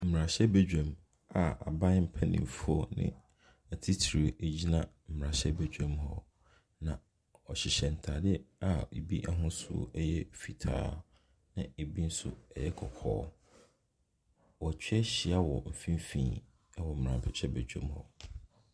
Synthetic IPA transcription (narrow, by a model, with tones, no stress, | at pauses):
m̩˨m˨ɾã˨ɕɛ˦be˦d͡ʑᶣã˨m | a˨a̰˨bã˦m̩˦pʰɛ˦nḭ̃˨m˨fu˦ɔ˦nɪ̰̃˦ | æ˨tʰi˦tʰi˨ɾi˨e˨d͡ʑi˦nã˦m̩˨m̩˨ɾã˨ɕɛ˦be˨d͡ʑᶣɛ̃˦mhɔ̰˦ | nã˨ | ɔ˨ɕɪ˨ɕɛ̃˨n̩˨tʰa˨dɪ˦a˨e˨bi˦ʔa˦ɦʊ̃˦sʊ̰˦o̰˦˨˦jɛ˦fi˨tʰa̰ː˨˦ | nã˨e˨bi˦n̩˦sʊ̰˦ɛ˨jɛ˦kʰɔ˨kʰɔ̰ː˦ | wɔ˨t͡ɕʰᶣɥɛ˦ɕɪ˨a˦wɔ˨m̩˨fĩ˦m˦fĩː˨˦ | wɔ˨m̩˨ɾã˨pʰɛ˨t͡ɕʰɛ˦be˨d͡ʑᶣã̰˨mhɔ̰˦